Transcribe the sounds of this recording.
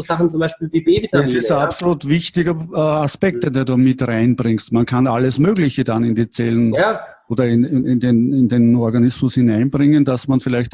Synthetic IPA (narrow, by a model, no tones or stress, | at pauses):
zaχn̩t͡sʊmbaɪʃpiːlviːbeːbiasɪsapsoluːtvɪçtɪɡɐaspɛk̚t̚dɛduduːmɪtʁaɪnb̥ʁɪŋstmankʰanalːəsmøːɡlɪçəd̥anɪnd̥iːt͡sɛlənaʔoːdɐɪnɪɪndenɪndenɔɐɡanɪsmʊshɪnæɪnb̥ʁɪŋənd̥asmanfɪlæɪçt